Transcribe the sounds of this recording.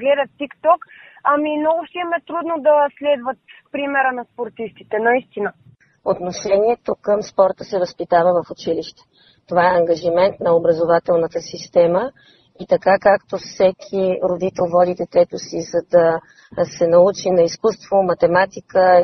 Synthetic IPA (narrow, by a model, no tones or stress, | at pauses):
ɡlɛd̪ət̪ːikt̪ɔkɐmimnɔɡʊʃsimɛt̪ɾud̪nod̪ɐslɛd̪vət̪pɾimɛɾənɐspoɾt̪ist̪it̪ɛnɐist̪inə | ot̪noʃɛniɛt̪okəmspɔɾt̪əsɛvəspit̪avəvəfʊt͡ʃiliʃt̪ɛ̥ | t̪ovaɛɐŋɡɐʒimɛnt̪nɐobɾəzovat̪ɛlˠnət̪əsist̪ɛmə | it̪ɐkakakt̪ofsɛkʰiɾod̪it̪ɛlˠvɔd̪id̪ɛt̪ɛt̪osizɐd̪ɐ | sɛnɐut͡ʃinɐiskust̪vomɐt̪ɛmat̪ikə